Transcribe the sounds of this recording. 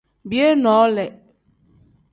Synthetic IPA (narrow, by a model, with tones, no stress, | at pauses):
bje˦nɔ˨˦lɛ˨